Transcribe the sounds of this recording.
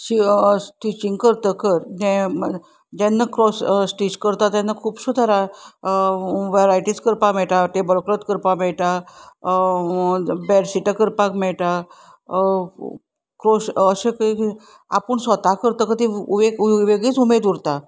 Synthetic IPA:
ɕiʈ̪it͡ɕiŋɡkəɾt̪əkəɾd͡ʑɛ̃ | d͡ʑɛnːakɾɔssʈid͡ʑkəɾt̪at̪janːakʰuːbsud̪ʱaɾa | ʋeɾaiʈit͡skəɾpamɛɭʈaʈ̪ebəlkɾət̪kəɾpamɛɭʈ̪a | bɛɽsiʈəkəɾpakmɛɭʈa | kɾosəɕẽki | a̰pəɳsɔt̪akəɾt̪əkəd̪iuʋeɡuʋeɡit͡sumed̪uɾt̪a

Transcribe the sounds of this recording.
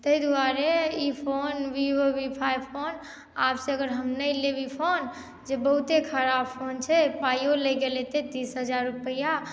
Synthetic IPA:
t̪əjd̪uaɾeipʰonʋiʋəʋipʰajpʰon | absẽəɡəɾɦəmnəlebipʰon | d͡ʒebəɦut̪ekʰəɾabpʰont͡ʃʰɛpajoləjɡelet̪ed̪isɦəd͡ʒaɾːupəja

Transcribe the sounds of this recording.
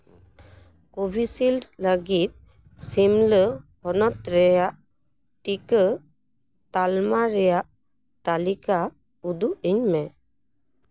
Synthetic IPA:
kobʱisildləɡit̪̚ | simləhɔnɔt̪ɾɛjaʔ | ʈikə | t̪almaɾɛjaʔ | t̪alika | ud̪uiɲmɛ

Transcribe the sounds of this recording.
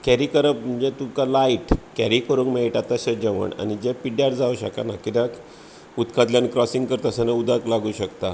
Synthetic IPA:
kɛɾikəɾəpməd͡ʑet̪ukalaiʈkɛɾikəɾuŋkmeʈat̪aɕed͡ʑəʋə̰ɳa̰nid͡ʑepiɖjaɽd͡zauɕə̰ka̰nakit̪jã | ut̪kad̪ljankɾɔsĩŋɡkəɾt̪əsanaud̪aklaɡuːɕəkt̪a

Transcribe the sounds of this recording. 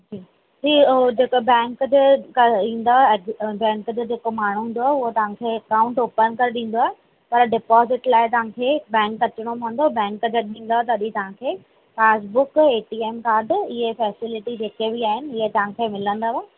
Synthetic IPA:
d͡ʑiː | d͡ʑiːod͡ʑeːkobɛ̃ːŋkd͡ʑeɗĩːn̆d̪obɛ̃ːŋkd͡ʑoːd͡ʑeːkomaːɳ̤uɦũːnd̪oaːɦʊɦot̪ɐʋ̤ãkʰeːɐkaːʊ̃ɳʈoːpənkɐɾeɗĩːn̆d̪oaːɦe | pɐɾɖɪpɔːzɪʈlaːɪt̪ɐʋ̤ãkʰeːbɛ̃ːŋkɐt͡ɕəɽ̃omõːnd̪obɛ̃ːŋkd͡ʑəɗĩːn̆d̪oɦɛt̪ɐɐɗĩt̪ɐʋ̤ãkʰeː | faːs̬bʊkeːʈiːeːmkaːɾɖɪɦefɛːsɪlɪʈid͡ʑeːkebiaːɦɪnɪ̆ɪɦet̪ɐʋãkʰeːmɪlə̃nd̪aʋa

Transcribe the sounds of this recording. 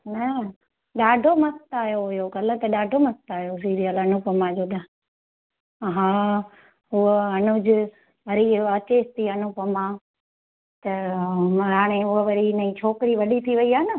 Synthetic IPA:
nɐ | ɗaːɖʱomɐst̪aːjoɪjokɐlt̪ɐɗaːɖʱomɐst̪aːjos̬iːɾijəlɐnʊpəmãd͡ʒoːɗ̪a | ɦãː | ɦʊəɦɐnʊd͡ʑʊ | ʋɐɾiɐt͡ɕest̪iɦɐnʊpəmãː | t̪ɐ | ɦaːɽ̃eɦʊəʋɐɾinɐĩːt͡ʃʰoːkɾiʋɐɗit̪ʰiʋɐiaːnə

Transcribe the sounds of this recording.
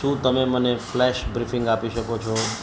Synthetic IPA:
ʃũt̪əmeməneflɛʃbɾifɪŋɡapiʃəkot͡ʃʰɔ

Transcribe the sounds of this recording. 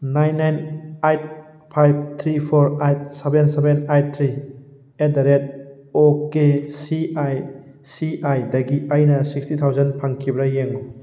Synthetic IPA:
najnːajnajt̚ | pʰajb̚t̪ʰɾipʰɔɾajt̚sebensebenajt̚t̪ʰɾi | edaɾet̚ | okesiaj | siajdɐɡiʔajnɐsik̚stit̪ʰawzɐnpʰaŋkʰibɾajeŋo

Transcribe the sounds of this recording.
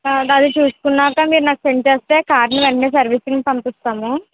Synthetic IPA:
ɐd̪it͡ʃuːsu̥kunːaːkaːmiːɾunaːku̥seɳʈt͡ʃe̞ːst̪e̞ːkaːɾniʋeɳɖeːs̬ɐɾʋisinisɐmpist̪aːmu

